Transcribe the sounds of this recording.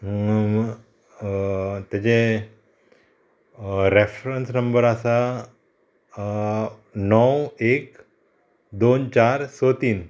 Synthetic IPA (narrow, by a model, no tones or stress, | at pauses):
t̪jat͡ɕẽ | ɾefɾənsnəmbəɾasa | nɔwek | d̪ont͡ɕaɾsot̪iːn